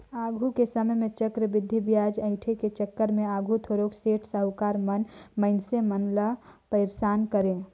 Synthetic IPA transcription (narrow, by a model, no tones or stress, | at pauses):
aːɡʱukesəməjmẽt͡ʃəkɾəbɪd̪ʱːibjaːd͡ʒə̃ɪ̃ʈʰeket͡ʃəkːəɾmẽaːɡʱut̪ʰoɾokseːʈʰsəɦʊkaːɾmənməɪnsemənləpəɪɾsaːnkəɾẽ